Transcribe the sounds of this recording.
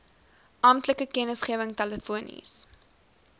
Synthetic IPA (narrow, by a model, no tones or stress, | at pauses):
ʔɑːmtləkəkɛnəsχiəvəŋtaləfuənḭs